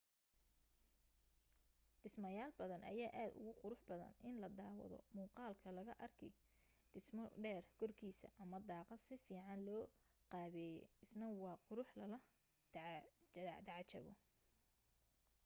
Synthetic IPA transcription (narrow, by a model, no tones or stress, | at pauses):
ɖɪsmɐjaːlbɐðɐnʔɐ̰jaːʔaːd̪ʊ̰ɣʊqʊɾʊħbɐðɐ̰nɪnlɐd̪aːwɐ̰ðɔ̰muːqɑːlkʰɐlɐɣɐʔɐrkʰɛ | ɖ̥ɪsmɔɖɛːrkʰɔrkʰiːsɐ̰ʔɐmɐd̪ɑːqɑd̪sɪfiːʕɑnlɔːqɑːβɛːjɛ̰ɪsnɐwɑːqʊɾʊħlɐlɐ | d̪ɑʕɑt͡ʃɐ̰βɔ̰